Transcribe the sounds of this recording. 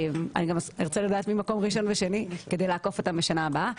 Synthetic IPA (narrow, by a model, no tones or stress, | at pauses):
ma̰niɡamiʁt͡selad̪aːt̪mimako̞mʁiʃo̞nveʃe̞nike̞d̪ejlaːko̞fot̪ambeʃanaːbaa